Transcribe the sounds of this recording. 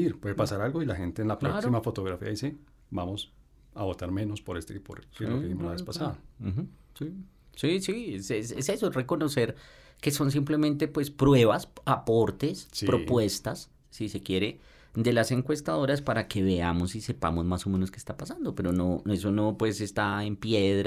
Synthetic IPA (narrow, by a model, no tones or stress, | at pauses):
iɾpweðepasaɾalɡo̞ilaxe̞nt̪eːnlapɾoassimafo̞t̪oɣɾafḭaðise | bamos | aβo̞t̪aɾme̞no̞spoɾest̪eipo̰ɾkelokeimolaepasaðax̩si | sisiesesese̞sore̞ko̞no̞se̞ɾke̞so̞ns̬imple̞mẽnt̪e̞pwe̞spɾwe̞βasapo̞ɾt̪e̞sspɾoppwe̞st̪asː | ise̞kje̞ɾe̞ | d̪e̞lase̞ŋkwe̞st̪aðo̞ɾaspaɾake̞βe̞amo̞sise̞pa̰mo̞zmaso̞me̞no̞skest̪apasand̪o̞pe̞ɾo̞noe̞so̞no̞pwe̞se̞st̪ae̞mpje̞ðɾ